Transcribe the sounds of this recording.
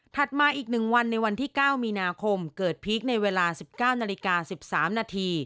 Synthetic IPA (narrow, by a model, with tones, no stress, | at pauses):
t̪ʰa˨˩t̪̚maː˧ʔiː˨˩k̚nɯ˨˩ŋwa˧nːa˧jwa˧nt̪ʰiː˥˩kaː˥˩wmiː˧naː˧kʰo˧mkɤː˨˩t̪̚pʰiː˦˥k̚na˧jweː˧laː˧si˨˩p̚kaː˥˩wnaː˧li˧kaː˧si˨˩p̚saː˩˦mnaː˧t̪ʰiː˧